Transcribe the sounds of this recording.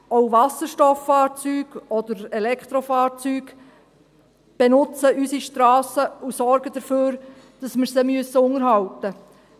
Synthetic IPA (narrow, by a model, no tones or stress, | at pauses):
owvɑsəɾʃtɔfːɑːɾt͡syːɡ̥ɔd̥̪əɾɛlɛkʰt̪ɾofɑːɾt͡syːɡ̥ | b̥enʊt͡səʔysiʃtɾɑːsəusɔɾɡəd̥əføːɾ | d̥ɑsməɾsəmyəsəʊŋəɾɦɑwtə